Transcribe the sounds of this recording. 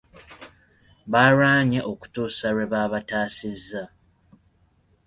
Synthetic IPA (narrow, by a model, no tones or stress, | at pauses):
βaɾaːɲeʔo̞ku̥tuːsaɾeβaːβataːsizːa